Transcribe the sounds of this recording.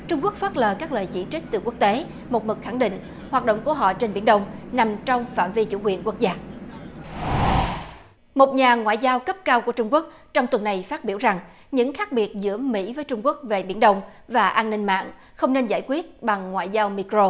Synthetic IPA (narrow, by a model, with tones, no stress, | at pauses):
t͡ɕʊ˧ŋ͡mku˦˥k̚fəː˦˥t̚ləː˨˩kaː˦˥k̚ləː˨˩jt͡ɕḭ˧˩t͡ɕi˦˥k̟̚t̪ɨ˨˩kwək̚t̪e˨˦ | mo˨˩t̚mɨ˨˩k̚xa˧˩ŋɗḭ˧˨ŋ̟ | hwaː˨˩t̚ɗo̰˧˨wŋ͡mku˧˩əɦɔ̰˧˨t͡ɕe˧nɓi˧˩ənɗə˧wŋ͡mna˨˩mt͡ɕɔ˧wŋ͡mfa̰ː˧˨mvi˧t͡ɕṵ˧˩˥kwi˨˩ənku˦˥ək̚zaː˧ | mo˨˩t̚ɲaː˨˩ŋwa̰ː˧˨jzaː˧wkə˦˥p̚kaː˧wku˧˩ət͡ɕʊ˧ŋ͡mku˦˥k̚ | t͡ɕɔ˧wŋ͡mt̪wə˨˩nːa˨˩jfaː˦˥t̚ɓi˧˩wza˨˩ŋ | ɲɨ̰˧˥ŋxaː˦˥k̚ɓi˨˩ət̚zɨ̰˧˥əmḭ˧˥vəː˨˦jt͡ɕʊ˧ŋ͡mku˦˥ək̚ve˨˩ɓi˧˩˦ənɗə˧wŋ͡mvaː˨˩ʔaː˧nːï˧ŋ̟ma̰ː˧˨ŋ | xə˧wŋ͡mne˧nza̰ː˧˩jkwi˦˥ət̚ɓa˨˩ŋːwa̰ː˧˨jzaː˧wmi˧kɾo˧